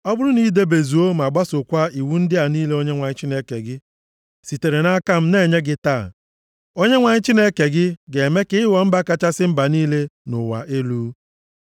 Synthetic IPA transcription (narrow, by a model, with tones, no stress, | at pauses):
ɔ˦bʊ˦ɾʊ˦ni˦de˦be˨zu˨o˦m˨a˨ɡ͡ba˦sʊ˨kʷa˦i˨wu˦n̩˦dɪ˦a˨niː˦le˦o˦ɲe˦ŋʷa˨ɲɪ˦t͡ʃi˦ne˦ke˨ɡɪ˦ | si˨te˨ɾe˨na˦ka˦m̩˦ne˦˨ɲe˦ɡɪ˦taː˦˨ | o˦ɲe˦ŋʷa˨ɲɪ˦t͡ʃi˦ne˦ke˨ɡɪ˦ɡe˨me˦kɪ˦ɪ˦wɔ˨m̩˦ba˦ka˦t͡ʃa˦sɪ˦m̩˦ba˨niː˦le˦nʊ˨wa̰˨ʔe˦luː˦